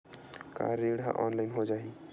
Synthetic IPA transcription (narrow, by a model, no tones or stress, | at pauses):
ka̰ɾeɽa̰ʔɔnlajnɦod͡ʒaɦi